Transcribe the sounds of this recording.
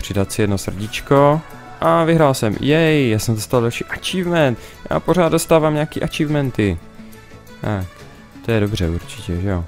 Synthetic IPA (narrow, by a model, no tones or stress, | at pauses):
pr̝̥ɪdat̪sɪjɛdno̞sr̩ɟɪt͡ʃko | ʔavɪɦɾaːlsɛmjɛjjaːsɛmdost̪avaldalʃiːʔat͡ʃiːvmɛnt̪ | ja̰ːpo̞ɾaːd̪dost̪aːvaːmɲaːkiːʔat͡ʃivmɛnt̪ɪ | t̪ak | t̪ojɛdobr̝ɛuɾt͡ʃɪcɛʒɛjo